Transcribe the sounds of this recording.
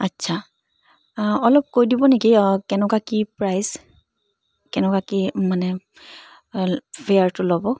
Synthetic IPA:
atːsʰa | ɔlɔp̚kojdibɔnekikɛnɔkakipɹajz | kɛnɔkakimanɛ | fejaɹtʊlɔbɔ

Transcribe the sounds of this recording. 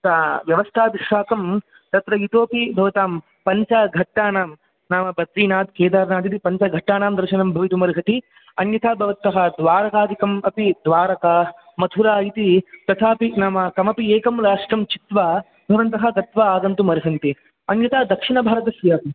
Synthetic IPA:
t̪aːʋjɐʋɐst̪ʰaːʋiʂːaːkɐm | t̪ɐt̪ɾɐit̪oːpibʱɐʋɐt̪aːm | pɐɲt͡ʃɐɡʱɐʈːaːnaːm | naːmɐbɐt̪ɾiːnaːd̪keːd̪aːɾnaːd̪it̪ipɐɲt͡ʃɐɡʱɐʈːaːnaːmd̪ɐɾʃɐnɐmbʱɐʋit̪umɐɾɦɐt̪i | ɐnjɐt̪ʰaːbʱɐʋɐnt̪ɐɦɐd̪ʋaːɾɐkaːd̪ikɐmɐpid̪ʋaːɾɐkɐ | mɐt̪ʰuɾaːit̪it̪ɐt̪ʰaːpinaːmɐkɐmɐpieːkɐmlaːʂʈɾɐmt͡ʃit̪ʋaː | bʱɐʋɐnt̪ɐɦɐɡɐt̪ʋaaːɡɐnt̪umɐɾɦɐnt̪i | ɐnjɐt̪aːd̪ɐkʂiɳɐbʱaːɾɐt̪ɐsʋjaːp̪i

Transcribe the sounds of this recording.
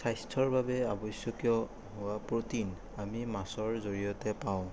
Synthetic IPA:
sajstʰɔɹbabɛabɔjsjɔkijɔ | ɦʊwapɹotin | amimasɔɹzoɹijɔtɛpaʊ̃

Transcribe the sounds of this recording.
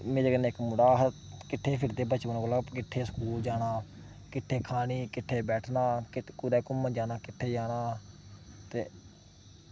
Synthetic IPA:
mẽːd͡ʒeɡəneɪkmʊɽaːɦkɪʈʰːeːpʰɪɾd̪eːbət͡ʃʋənkəlaːkɪʈʰːeːskuːld͡ʒaːɽaː | kɪʈʰːeːkʰaːniːkɪʈʰːeːbɛːʈʰnaːkkʊɾɛːkʊmːəd͡ʒaːnaːkɪʈʰːeːd͡ʒaːnaː | t̪eː

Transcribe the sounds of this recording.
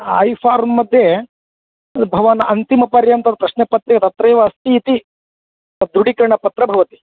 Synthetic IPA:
a̰jfʰaːɾmːɐd̪ʱje | bʱɐʋanɐnt̪imɐpɐɾjɐnt̪ɐd̪ɐpɾɐʃnepɐt̪ɾikɐt̪ɐt̪ɾɐjʋaːst̪iːt̪i | ɐd̪uɽikɾɐɳɐpɐt̪ɾɐbʱɐʋɐt̪i̥

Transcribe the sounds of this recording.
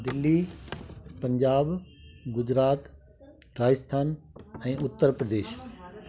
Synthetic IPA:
d̪ɪlːi | pɐ̃ɲd͡ʑaːbɡʊd͡ʑɾaːt̪ | ɾaːd͡ʑəst̪ʰaːnɛ̃ːʊt̪ːəɾpɾəd̪eːʃ

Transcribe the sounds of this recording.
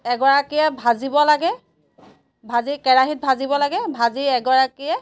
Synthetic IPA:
ɛɡɔɹakiɛbʱazibɔlaɡɛ | bʱazikɛɹaɦit̚bʱazibɔlaɡɛbʱaziɛɡɔɹakiɛ

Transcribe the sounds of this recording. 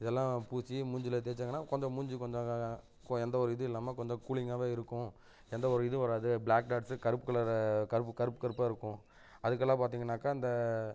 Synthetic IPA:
ɪðɛlːãːpuːsimʊɲd͡ʒɪlɐt̪̬ɛːɾt͡ʃːaŋɡɐnːaːkɔɲd͡ʒɔ̃mʊɲd͡ʒɯkɔɲd͡ʒɐ̃ | kɛnd̪ɐɔɾɯɪðɯɪlːaːmekɔɲd͡ʒɔ̃kuːɭɪŋaːʋeːɪɾɯkːʊ̃ | ɛnd̪ɐɔɾɯɪðɯʋɐɾaːðɯblaːk̚ɖaːɖsɯkɐɾɯpːɯkːɐɭɐɾkɐɾɯpːɯkɐɾɯpːɯkɐɾɯpːaːɪɾɯkːʊ̃ | ɐðɯk̬ːɐlːãːpaːɾt̪̬iːŋɡɐnːaːkaːɪnd̪ɐ

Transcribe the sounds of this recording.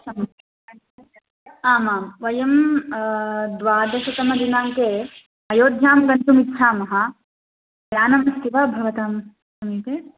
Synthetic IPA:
sɐmi | aːmaːmʋɐjɐm | d̪ʋaːd̪ɐʃɐt̪ɐmɐd̪inaːmkeː | ɐjoːd̪ʱjaːmɡɐnt̪umitʃʰaːmɐɦɐ | jaːnɐmɐst̪iʋaːbʱɐʋɐt̪aːm | sɐmiːp̪eː

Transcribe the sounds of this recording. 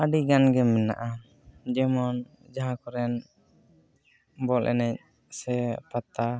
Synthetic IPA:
aɖiɡanɡɛmːɛna̰ʔa | d͡ʒɛmɔn | d͡ʒaɦakɔɾɛn | bɔlʔɛ̰nɛc̚ | sɛpat̪a

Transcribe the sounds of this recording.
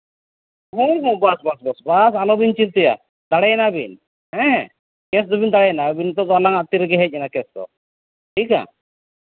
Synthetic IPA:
ɦũɦũbasbasbɔsbasalɔbint͡ʃiɾt̪ija̰ | d̪aɽɛnabḭn | ɦɛ̃ | kɛsd̪ɔbind̪aɽɛjnabint̪ɔd̪ɔalaŋat̪iɾɛɡɛɦɛc̚ˀɛnakɛsd̪ɔ̰ | ʈʰika̰

